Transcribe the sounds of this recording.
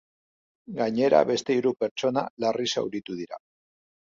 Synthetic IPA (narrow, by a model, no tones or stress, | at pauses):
ɡaɲe̞ɾa̰βe̞st̪e̞iɾupe̞ɾt͡ʃo̞na̰larisa̰wɾit̪uð̞iɾa